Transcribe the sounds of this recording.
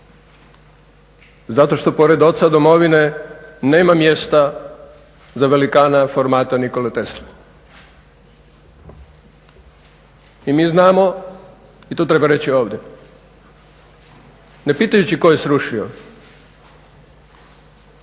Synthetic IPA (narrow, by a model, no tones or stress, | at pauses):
zat̪o̞ʃt̪o̞po̞ɾed̪o̞t̪sad̪o̞mo̞ʋine̞neːmamje̞st̪a | zaʋe̞likaːnafo̞ɾmaːt̪aniko̞let̪esli | imiːznaːmo̞ | it̪oːt̪ɾe̞baɾe̞t͡ɕio̞ːʋd̪je | ne̞piːt̪ajut͡ɕikojesɾuʃio